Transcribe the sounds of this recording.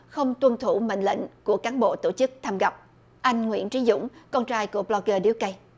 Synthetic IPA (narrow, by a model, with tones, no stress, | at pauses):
xə˧wŋ͡mt̪wə˧nt̪ʰu˧˩mḛ˧˨n̟lḭ˧˨ŋ̟ku˧˩əkaː˨˦nɓo̰˧˨t̪o˧˩t͡ɕɨ˦˥k̚t̪ʰaː˧mɣa˨˩wp̚ | ʔa˧jŋ̟ŋwḭ˧˥ənt͡ɕi˨˦zʊ̰˧˥ŋ͡mkɔ˧nt͡ɕaː˧jku˧˩əblɔ˧ɣəː˧ɗi˧˦əwkə˧j